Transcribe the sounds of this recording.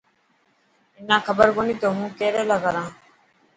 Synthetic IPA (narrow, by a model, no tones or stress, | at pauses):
ɪnãːkʰəbəɾkoːniːt̪oːɦũːkeːɾeːləɡaːɾãː